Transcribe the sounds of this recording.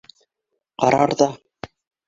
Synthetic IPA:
qɑɾɑɾðɑ

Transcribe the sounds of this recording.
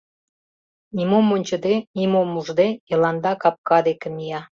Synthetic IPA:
nʲimomonʲt͡ɕə̆d̪enimomːuʒd̪ejə̆lɑnd̪ɑkɑp̚kɑd̪ekə̆mijɑ

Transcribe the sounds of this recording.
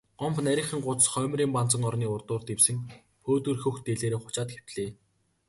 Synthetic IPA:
ɢɔmpnæɾʲɪ̆χə̆ŋɢʊt͡s̪sχœːmriːmpan̥t͡sə̆ŋɔrniːʊrt̪ʊːrt̪ewsɘ̆ŋ | xoːt̪ɵ̆rxɵ̆xt̪eɮeːɾeːχʊt͡ɕaːt̪xe̥w̥t̪ɮeː

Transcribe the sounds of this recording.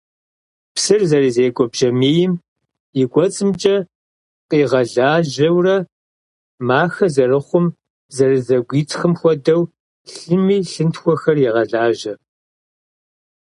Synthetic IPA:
psɨrzɐrizeːkʷʼɔbʒ̥ɐmeːjɪm | jɪɡʷʼɔt͡sʼɨmt͡ʃʼɐ | qiːʁɐɮaːʒɐwrɐ | maːxɐzɐrɨχʷʊm | zɐrizɐɡʷiːtʰxɨmxʷɔdɐw | ɬɨmiːɬɨntxʷɔxɐrjiʁɐɮaːʒɐ

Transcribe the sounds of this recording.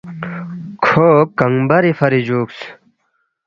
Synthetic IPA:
kʰoːkɐŋbɐɾifɐɾid͡ʑuːks

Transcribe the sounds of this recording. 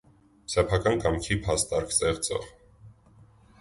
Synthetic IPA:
sɛpʰɑkɑnkɑmkʰipʰɑst̪ɑɾkʰt͡sɛʁt͡sɔ̰ʁ

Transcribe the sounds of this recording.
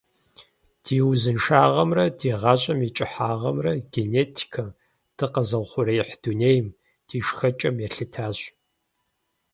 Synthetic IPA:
d̥iːwzɨnʃaːʁɐmrɐdiːʁɑːɕʼɐmit͡ʃʼɪħaːʁɐmrɐɡeneːtʰi̥kʰɐm | d̥ɨqɐzɐwʷχʷʊɾɐjɪħd̥uneːjm | d̥iːʂxɐt͡ʃʼɐmjɛɬɨtʰaːɕ

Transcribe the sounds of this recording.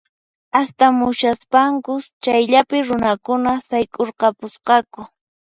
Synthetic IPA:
ast̪amʊʃaspaŋkʊt͡ʃajʎapɪɾʊnakʊnasajkʼoɾqɑpʊsqɑkʊ

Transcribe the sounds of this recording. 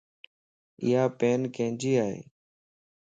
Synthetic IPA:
ɪ̰ːaːpeːnkẽːd͡ʒiːaːɦḛː

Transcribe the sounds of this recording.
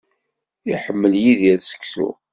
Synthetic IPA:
iħəmːəljiðjæɾsə̥kːsṵ

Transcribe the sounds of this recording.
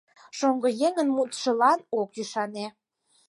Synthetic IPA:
ʃoŋɡojeŋənmut̪ʃə̆lɑnokjyʃɑne

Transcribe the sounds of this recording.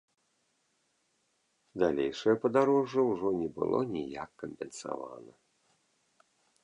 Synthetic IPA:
d̪alʲejʂɐjɐpɐd̪aɾɔʐːɐwʐɔnʲɛbɨ̰lˠʔɔ̰nʲija̰kːɐmʲpʲɛnsa̰va̰nɐ

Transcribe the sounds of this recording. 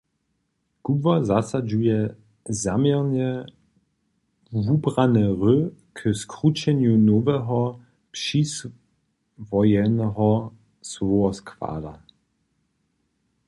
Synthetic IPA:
kubvazasad͡ʒujɛ | zamjɛʁnɛ | vubʁanɛʁøkʰəskʁut͡ʃɛnjunovɛɦɔ | pʃis | vɔjɛnɛɦɔ | svoɔskva̰ːla

